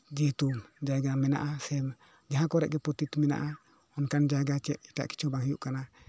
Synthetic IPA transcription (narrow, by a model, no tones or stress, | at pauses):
d͡ʒit̪umd͡ʒaɡamɛna̰ʔasɛm | d͡ʒaɦãkɔɾɛʔ̚ɡɛpɔt̪it̪mɛna̰ʔa | ɔnkand͡ʒaɡat͡ʃɛʔ̪̚ita̰ʔki̥t͡ʃʰɔbaɦijuʔkana